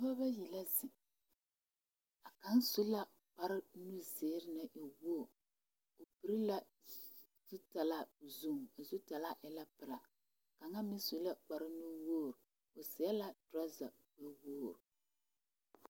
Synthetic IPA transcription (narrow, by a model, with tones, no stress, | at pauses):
a˦ba˦ji˨la˦zɪ˨ | a˨ka˦n˦su˦la˦ | k͡pa˦ɾɪ˦nu˦zeː˨˦ɾɪ˦na˨ʔi˨wo˦˨ | o˨pi˨ɾi˦la˦ | z̥u˦ta˨la˦˨zu˦˨ŋ˨a˨zu˦ta˨la˦ʔɛ˨la˦pɨ˨ɾa˨ | ka˨ŋa˦mi˦su˨la˦k͡pa˨ɾɪ˦nu˦woː˦˨ɾ | o˨sɪ˨˦a˦la˦dɾa˦za˨ | bɛ˦woː˦˨ɾ